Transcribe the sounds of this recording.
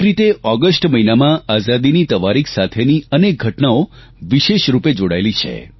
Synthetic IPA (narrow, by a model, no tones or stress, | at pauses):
ɾit̪eʔɔɡəsʈməinamãazad̪init̪əʋaɾikʰsat̪ʰeniənek̚ɡʱəʈnao | ʋiʃeʃɾuped͡ʒoɽaelit͡ʃʰḛ